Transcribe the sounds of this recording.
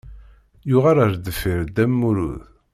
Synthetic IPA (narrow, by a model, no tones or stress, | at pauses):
jʊʁaɾaɾd̪əfiɾd̪æmːuɾṵð